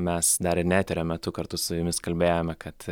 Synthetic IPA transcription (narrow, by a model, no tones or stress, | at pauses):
mʲɛsd̪ɐɾɪnʲæːt̪ʲeɾʲoːmʲɛt̪ʊkɐɾt̪ʊsʊjʊmʲɪskɐlʲbʲeːjomʲɛkɐt̪